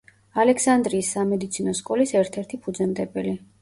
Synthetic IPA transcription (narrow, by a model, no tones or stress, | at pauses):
alɛkʰsand̪ɾiːsːamɛd̪it̪sʰinɔskʼɔlisɛɾt̪ʰɛɾt̪ʰipʰud̪zɛmd̪ɛbɛli